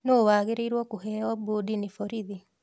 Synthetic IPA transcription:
noːwaːɣeɾeiɾwɔkuɦɛɔbudinifɔɾiði

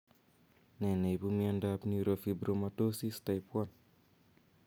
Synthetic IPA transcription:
nɛnebumjandapniɾofibɾomatosistajpwɔn

